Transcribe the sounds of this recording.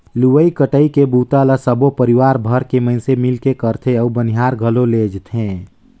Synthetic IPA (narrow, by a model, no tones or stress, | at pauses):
luwəikəʈəikebuːt̪aləsəbopəɾiwaːɾbʱəɾkeməɪnsemɪlkekəɾt̪ʰeəbəniɦaːɾɡʱəloleːd͡ʒt̪ʰɦẽː